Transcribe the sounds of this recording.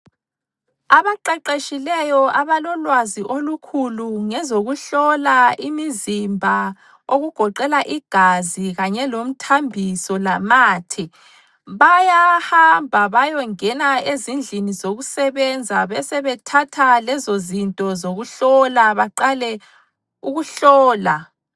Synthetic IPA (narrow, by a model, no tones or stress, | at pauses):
aβaǃɛǃeʃilɛjɔaβalɔlwaziʔolukʰuluŋɛzoɣuɬɔlaʔimizimbʱa | oɣuɡ̥ʱɔǃɛlaʔiɡ̥ʱaziɣaɲɛlom̩tʰambʱisɔlamaːtʰi | βajahambʱaβajɔŋɛnaezind͡ɮʱinizoɣusɛβɛnd͡zʱaβɛsɛβɛtʰatʰalɛzozintʼɔzoɣuɬɔlaβaǃalɛ | uɣuɬɔːla